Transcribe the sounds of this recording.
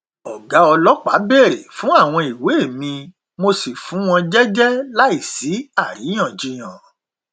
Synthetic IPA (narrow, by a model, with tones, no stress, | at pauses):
ɔ˨ɡa˨˦ɔ˧lɔ˦k͡pa˨˦be˦˨ɾe˨fũ˨˦a˦˨w̃ɔ̃˧i˨we˨˦e˦˨mĩ˧ | mo˧si˨fũ˨˦w̃ɔ̃˧d͡ʒɛ˦d͡ʒɛ˦la˦i˦˨si˨˦a˦˨ɾi˨˦j̃ã˦˨d͡ʒi˧j̃ã˨